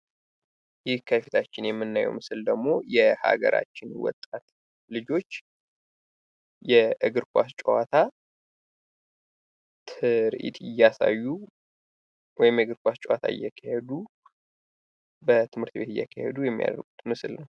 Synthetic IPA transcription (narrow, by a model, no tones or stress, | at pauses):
jɪhkʰəfit̪ʰat͡ʃːɪnjɛmːɨnːajɛ̰wmɨsɨld̪əɡmo̞jɛha̰ɡəɾʔa̰t͡ʃːɪnwɔ̰t̪ʼːat̪ | lɨd͡ʒo̞t͡ʃː | jɛʔɨɡɨɾkʷast͡ʃʼɛwat̪ʰa | t̪ʰɨɾʔḭt̪ʰɪjːasa̰jːu | wɔjɪmjɛɡɨɾkʷast͡ʃʼwat̪ʰa̰ɪ̰jːɛkʰːəhed̪u | bət̪ʰɨmhɨɾt̪be̞t̪ɨjːɛ̰kʰːəhḛd̪ujɛmːija̰d̪ə̰ɾɡut̪mɨsɨlnəw